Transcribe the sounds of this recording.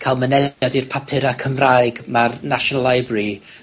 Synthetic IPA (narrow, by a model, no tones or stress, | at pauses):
kʰalˠmənɛadirpʰapʰɨɾakʰəmrajɡmarnaʃɔnalˠajbri